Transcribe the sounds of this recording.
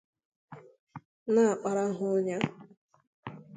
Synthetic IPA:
na˦a˨k͡pa˨ɾa˦ɦʊ˦ɲa˦

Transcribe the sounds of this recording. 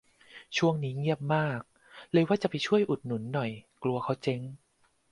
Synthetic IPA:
t͡ɕʰu˥˩əŋniː˦˥ŋi˥˩əp̚maː˥˩k̚ | lɤː˧jwaː˥˩t͡ɕa˨˩pa˧jt͡ɕʰu˥˩əjʔu˨˩t̪̚nu˨˩˦nːɔ˨˩jklu˧ɐkʰa˦˥wt͡ɕe˧˥ŋ

